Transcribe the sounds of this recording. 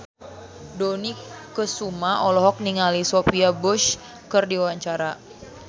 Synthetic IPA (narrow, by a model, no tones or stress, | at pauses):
donikəsumaʔɔlɔɦɔk̚niŋalisopiabuʃ | kərdiwaɲt͡ʃaɾa